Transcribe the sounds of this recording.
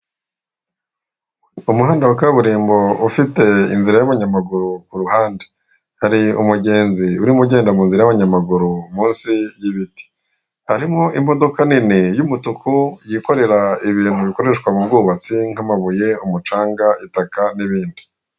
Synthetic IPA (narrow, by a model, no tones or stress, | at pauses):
umuɦaːndawakaβuɾiːmbo̞ufite̞ḭnziɾajaβaɲamaɡuɾukuɾuhaːnde | haɾiṵmuɟe̞ːnziuɾimuɟe̞ːndamuːnziɾajaβaɲamaɡuɾumuːnsijiβiti̥ | haɾimo̞ʔimo̞do̞kaninijumutukʰujiko̞ɾe̞ɾaiβiːn̥huβiko̞ɾe̞ʃkwamub̚ɡuːβat͡siŋ̥amaβuje̞umut͡ʃaːŋɡaitakaniβiːndi